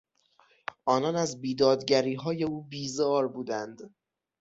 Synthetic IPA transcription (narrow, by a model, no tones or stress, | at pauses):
ʔɒːnɒːnæzbiːd̪ɒːd̪ɟæɾiːɦɒːje̞uːbiːzɒːɾbuːd̪ænd̪̥